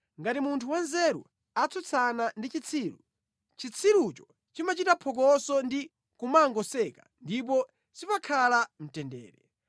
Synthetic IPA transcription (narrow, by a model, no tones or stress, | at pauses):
ŋɡatimuntʰuwanzɛɾṵ | at͡sʰut͡sʰanandit͡ʃit͡sʰiːɾṵ | t͡ʃit͡sʰiɾut͡ʃɔ̥ | t͡ʃimat͡ʃitapʰɔk̬ɔsɔndi | kumaŋɡɔsɛka̰ndip̬ɔ | sipakʰalam̩tɛndɛ̰ːɾɛ